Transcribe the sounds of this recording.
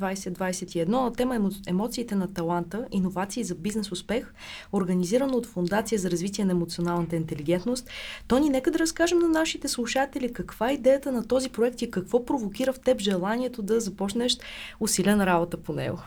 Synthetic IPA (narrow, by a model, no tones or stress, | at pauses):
vajsɛd̪vajsɛt̪iɛd̪nɔt̪ɛməɛmɔt̪siːt̪ɛnɐt̪ɐlˠant̪əʔinovat̪siːzɐbiznɛsʊspɛx | oɾɡəniziɾɐnəot̪fʊnd̪at̪sijəzɐɾɐzvit̪̬ʲiɛnɐɛmot̪sionalˠnət̪əint̪ɛliɡ̟ɛnt̪nost̪ːɔninɛkəd̪ɐɾɐskaʒɛmnɐnaʃit̪ɛslˠuʃat̪ɛlikɐkv̥aɛid̪ɛjət̪ənɐt̪ɔzipɾoɛk̚t̪ikɐkvɔpɾovokʲiɾəft̪ɛpʒɛlˠaniɛt̪od̪ɐzɐpɔt͡ʃnɛʃt̪ʊsilʲənɐɾabot̪əponɛ̰ɡo̰